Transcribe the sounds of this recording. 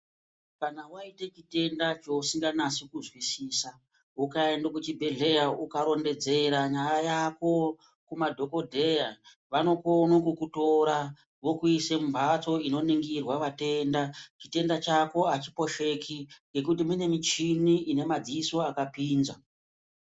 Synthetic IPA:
kanawaite̞t͡ʃite̞ndat͡ʃo̞usiŋɡanasikuzwisiːsa | ukaendokut͡ʃibʱe̞ɮe̞jaukaɾo̞nde̞d͡ze̞ɾaɲajajako̞ | kumadʱo̞ko̞dʱe̞ja | ʋano̞ko̞nokukuto̞ɾa | ʋo̞kuisembʱat͡so̞ino̞niŋɡirwaʋate̞ndat͡ʃite̞ndat͡ʃako̞at͡ʃipo̞ʃe̞kʰiŋɡe̞kut̬imune̞mit͡ʃiniʔine̞mad͡ziːso̞akapiːnza

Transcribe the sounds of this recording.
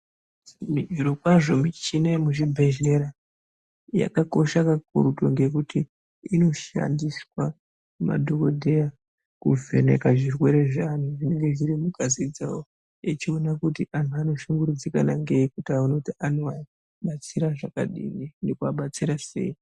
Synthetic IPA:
miiɾokwaʐo̞mit͡ʃinemuʒibʱe̞ʒeɾa | ja̰kako̞ʃakak̚uɾuto̞ŋɡe̞kuti | ino̞ʃa̰ndiswa | ma̰dʱokodʱe̞ja | kuve̞̰ne̞̰kaʐirwe̞ɾe̞ʐan̤uʐine̞ŋɡe̞ʐiɾimukazid͡zawo | et͡ʃio̞nakutiʔan̤uano̞ʃuŋɡuɾud͡zikanaŋɡe̞ikutauno̞tianoa | ɓat͡siɾaʐaka̰ɗḭninekuaɓat͡siɾase̞̰i

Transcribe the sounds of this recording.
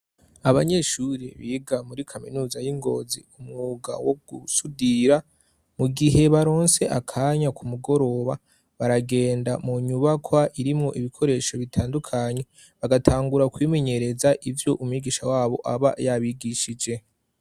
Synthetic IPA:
aβaɲe̞ʃuɾḭβiːɡamuɾikʰaminuːzajiŋɡo̞̰zḭumŋuːɡa̰woɡ̥usudiɾa | muɡiɦe̞βaɾo̞ːnse̞ʔakʰaːɲakʰumuɡo̞ɾo̞βa | βaɾaɡe̞ːndamuɲuβakʰwaʔiɾimŋo̞ʔiβikʰo̞ɾe̞ːʃo̞βitʰaːndukʰaɲe̞ | βaɡatʰaːŋɡuɾakwiːme̞ɲe̞ɾe̞zaʔivjo̞ʔumwiɡiːʃawaːβo̞̰ʔaβa̰jaβiɡiʃid͡ʒe̞

